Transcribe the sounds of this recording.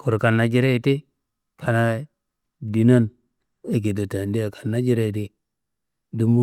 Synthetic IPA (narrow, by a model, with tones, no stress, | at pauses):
kʰo˨ɾka˨nːa˨d͡ʒi˦ɾe˦i˨ti˦ | kʰa˨na˦ | di˨na˦n | e˦k̬e˨do˨ta˨ndi˦a˨kʰḁ˨nːa˦d͡ʒi˦ɾe˦˨ti˦ | du˦mbu˦